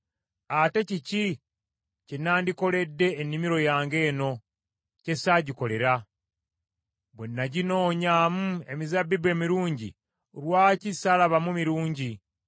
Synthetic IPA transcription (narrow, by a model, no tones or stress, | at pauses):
ate̞cici | cenaːndiko̞le̞dːe̞ːnːimiɾo̞jaːŋɡe̞ːno̞ | ce̞saɟiko̞le̞ɾa | bwenːaɟino̞ːɲaːmue̞mizabːibwe̞ːmiɾuːɲɟḭ | olwaːcisalaβamumiɾuːɲɟi